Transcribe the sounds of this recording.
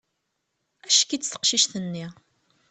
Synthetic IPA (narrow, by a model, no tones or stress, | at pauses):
æʃkit͡sːθə̥qʃiʃθənːi